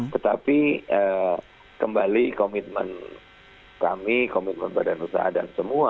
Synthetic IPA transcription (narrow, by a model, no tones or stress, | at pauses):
t̪ət̪apiə | kəmbalikomit̪̚mə̰n | kamikomit̪̚mə̰nbadanrusa̰ɦadansəmua